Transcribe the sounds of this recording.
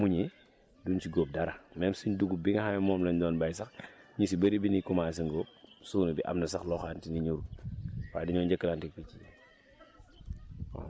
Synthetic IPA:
muɲe | dunt͡ʃiɡoːp̚daɾamɛmsuɲduɡubiŋɐhajɛmɔːmlɔɲdɔːnbajsɐxɲusibɐɾibinikumaːs̬iŋɡop̚suːnubiʔa̰mnɐsɐxlɔːxaːntiniɲuɾuwaːdiɲɔːɲɟɐkːəlantik̚pici | ɔ̰

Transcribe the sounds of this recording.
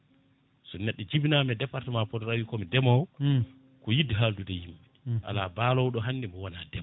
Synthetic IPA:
sɔnɛɗːɔd͡ʒibnamɛdɛpːaɾtɛmapɔdɔɾawikɔmidɛmɔw | kɔjidiɦaldudɛjimːa | ʔa̰labalɔwɗɔɦanːimɔwanadɛ

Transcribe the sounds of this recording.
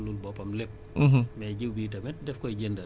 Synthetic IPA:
lulbɔpɐmlep̩̚ː | ɦmɛɟiwbiːt̬ɐmɛt̚dɛfkɔjɟendɐ

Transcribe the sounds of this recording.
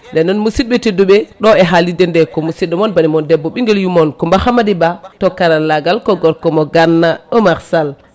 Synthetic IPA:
ndɛnːɔnmusid̚ɓɛteduɓɛɗɔɛɦalidɛndɛkɔmusiɗɔmɔnbanimɔndɛbːɔɓiŋɡɛljumɔnkɔmbahamadibatɔkaɾanlaɡalkɔɡɔɾkɔmɔɡanːaɔmaɾsal

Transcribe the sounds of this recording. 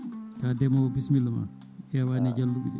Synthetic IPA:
kadɛmɔɔbismilɔma̰ | ʔɛwanɛd͡ʒalːuɓḭɗɛ̰

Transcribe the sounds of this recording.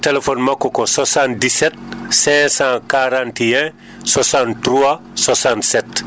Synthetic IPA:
telefɔnmakːɔkɔswasãntdisɛt̚sɛ̃sãkaɾãntɛ̃ | swasãntɾua | swasãntsɛt

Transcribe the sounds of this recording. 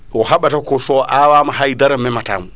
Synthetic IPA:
ɔhaɓatakɔsɔʔawaːmaɦajdaɾamːɛmata̰ːmu

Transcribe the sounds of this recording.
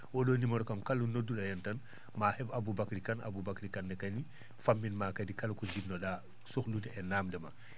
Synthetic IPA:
wɔdonimɔɾɔkamkalːunodːuɗajɛntan | mahɛbabubakɾikana̰bubakɾikanːɛkani | famːinmaːkadikalkɔd͡ʒibnoɗa | suxlutɛɛnaːmdɛma

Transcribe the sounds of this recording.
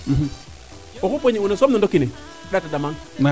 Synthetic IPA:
m̩m̩ | okupoɲiunasomnundokine | ɗatadamaŋm

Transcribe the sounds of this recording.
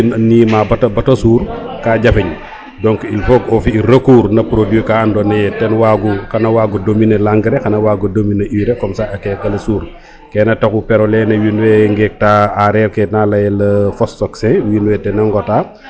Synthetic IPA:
nniːmabɐtɐbɐtɐsuːɾkaːɟɐfɐɲ | dɔŋkilfɔkɔfiiɾɐkuːɾnɐpɾodikaːandɔnɐjɛtɛnwaːɡuxɐnɐwaːɡudominelaŋɡəɾɛxɐnɐwaːɡodominɐʔiːɾɛkɔmsaːɐkɛkɐlɐsuːɾ | kɛnɐtɐkupɛɾɔlɛnɐwinwɛŋɡɛk̚taaɾɛɾkɛnalɐjɛlɐfɔsːɔksɛ̃winwɛtɛnɐŋɡɔtaː

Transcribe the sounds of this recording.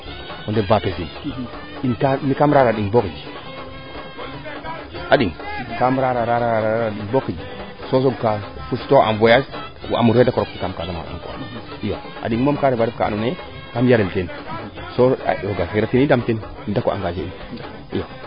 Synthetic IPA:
kondevapezin | inkamikamɾaɾaɗiŋbokid͡ʒi | aɗiŋkamɾaɾaɾaɾaaɾaaɗiŋbokid͡ʒi | sos̬oɡkafusi̥toa̰nvojas | ʔa̰muɾedakoɾoktikamkazama̰a̰ŋkoa̰ | ijo | a̰ɗiŋmomkaɾebaɾefka̰a̰une | kamjaɾeltenso̰oɡakiɾatinidamten | ndakoʔa̰ɡaʃein | ijo

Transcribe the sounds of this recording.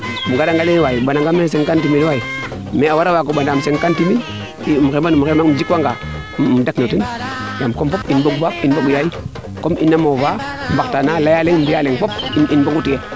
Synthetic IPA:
muɡadaŋɡalenwajibanaŋɡamesenkantiminwai | meawaɾawakoɓandamseŋkantimin | imxemanumkemaŋmd͡ʒikaŋɡa | mdaknotinjamkompopinboɡbapinboɓujaji | komḭnːamovambaktanalajaleŋmbialeŋfopininboɡutija

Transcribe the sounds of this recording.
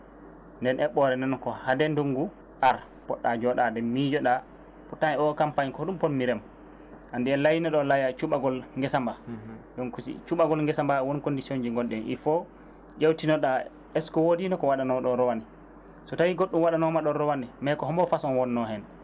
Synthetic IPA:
ndɛnʔɛɓɔɾɛndɛnkɔhadɛnduŋɡu | ʔaɾ | pɔɗːad͡ʒɔɗadɛmːid͡ʒɔɗa | putːanɛɔkampaɲkɔɗumponmiɾɛm | ʔandiɛlajinɛɗɔlajat͡ʃuɓaɡɔlŋɡɛsambadɔnkusḭt͡ʃuɓaɡɔlŋɡɛsambawonkondisiond͡ʒiŋɡɔnɗɛnʔḭfɔ | d͡ʒawtinɔɗa | ɛskɔwodinɔkɔwaɗanɔɗɔɾɔwanɛ | sɔtawiɡoɗːumwaɗanɔmaɗɔɾɔwanɛmajkɔhɔmbɔfasɔnwɔnːɔhɛn

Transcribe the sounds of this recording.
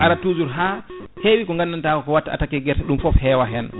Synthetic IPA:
ʔaɾatuːzuɾɦa | hewikɔŋɡanːantakɔkɔwatːaa̰takɛɡɛɾtɛɗumfɔfhɛwaɦɛn

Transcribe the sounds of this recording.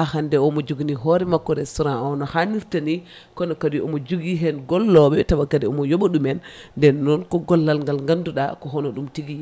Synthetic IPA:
ʔahandɛɔmɔd͡ʒuɡniɦɔɾɛmakːɔɾɛsuɾaawnɔhaniɾtani | kɔnɔkadiɔmɔd͡ʒuɡiɦɛnɡɔlːɔɓɛtaɓakadɛɔmɔjɔɓɔɗumɛnːdɛnːɔnkɔɡɔlːalŋɡalŋɡanduɗa̰kɔɦɔnɔɗumtiɡi

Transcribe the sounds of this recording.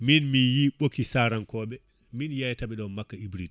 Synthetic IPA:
minmijiɓokːisaːɾankɔːɓɛ | minjajtaɓɛɗɔmakːaibɾit

